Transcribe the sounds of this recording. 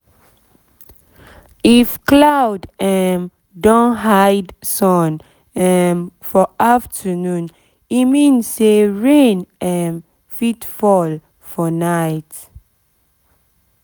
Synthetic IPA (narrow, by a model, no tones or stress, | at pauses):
ifklawdɛn | dɔ̃nɦaɪdsɔ̃n | ɛnfɔʔaftʰənũn | imĩnseɹẽnɛn | fitfɔl | fɔnaɪt